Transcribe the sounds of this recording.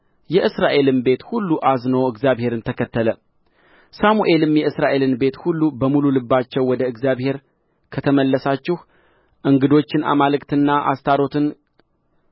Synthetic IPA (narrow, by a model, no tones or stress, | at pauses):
jɛʔɨsɾaʔe̞lɨnbe̞t̪hulːuʔaznəwɨɡzjaβhe̞ɾɨnt̪ʰəkʰət̪ːələ | samuʔe̞lɨmjɛɨsɾaʔe̞lɨnbe̞t̪hulːubəmululɨbːat͡ʃːɛwːɔd̪əɨɡzjaβhe̞ɾ | kʰət̪ʰəməlːəsat͡ʃːɪh | ʔɨŋɡɨd̪o̞t͡ʃːɪna̰malɨkt̪ʰɨnːaʔa̰st̪ʰaɾo̞t̪ʰɨn